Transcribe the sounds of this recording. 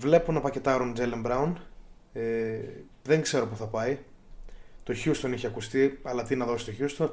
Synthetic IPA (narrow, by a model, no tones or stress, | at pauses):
vle̞punɐpɐce̞t̪ɐɾond͡zelembɾɐun | e | ðeŋɡze̞ɾo̞puθɐpɐi | t̪o̞çust̪oniçeɐkust̪iɐlɐt̪inɐðo̞si̥t̪o̞çust̪o